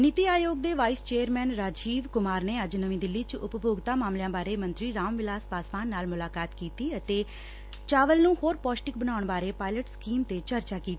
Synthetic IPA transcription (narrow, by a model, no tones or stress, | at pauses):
nɪt̪iːaːjoːɡ̚d̪eːʋaːist͡ʃeːəɾmɛːnɾaːd͡ʒiːʋkʊmaːɾneːəd͡ʒnəʋĩːd̪ɪlːiːt͡ʃʊpboːɡt̪aːmaːmljãːbaːɾeːmə̃nt̪ɾiːɾaːmʋɪlaːspaːsʋaːnːaːlmʊlaːkaːt̪kiːt̪iːət̪eː | t͡ʃaːʋəlnũːhoːɾpɔːsʈɪk̚bənaːʊɳbaːɾeːpaːɪləʈskiːmt̪eːt͡ʃəɾt͡ʃaːkiːt̪i